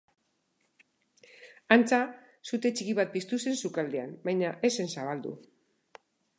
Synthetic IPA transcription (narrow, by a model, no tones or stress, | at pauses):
ant͡sa | sut̪e̞t͡ʃikiβat̪̚pist̪use̞nsukald̪ea̰mbajɲaʔe̞se̞nsaβald̪ṵ